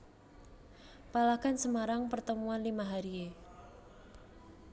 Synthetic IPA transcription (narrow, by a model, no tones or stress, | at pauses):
palaɡ̥a̤nsəmaɾaŋpərt̪əmuanlimaɦaɾie